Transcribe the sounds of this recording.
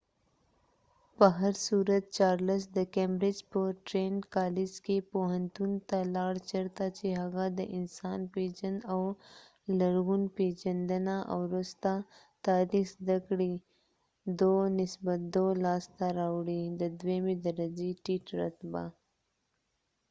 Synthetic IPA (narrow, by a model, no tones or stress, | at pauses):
pəɦɐɾsuɾət̪̚t͡ʃaːɾləs̬d̪əkemɾɪd͡ʒpəʈɾeːnkaːlɪd͡ʒkepoɦɐnt̪unt̪alɑːɽt͡ʃɐɾt̪at͡ʃeɦɐɣad̪əʔɪnsɑːnpeːd͡ʒənaw | lɐɾɣunped͡ʒɐnd̪ənaʔa̰wɾʊst̪a | t̪aːɾixd̪ɐkɽi | d̪onɪsbət̪̚d̪olaːst̪aɾaːwɽid̪əd̪wemed̪ɐɾɐd͡ʒeʈiʈɾɐ̰t̪ba̰